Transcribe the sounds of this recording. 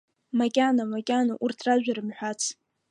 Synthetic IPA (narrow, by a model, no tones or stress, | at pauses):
makʲʼanamakʲʼanaʔurtʰraʒᶣʷaɾɨmħʷᶣat͡sʰ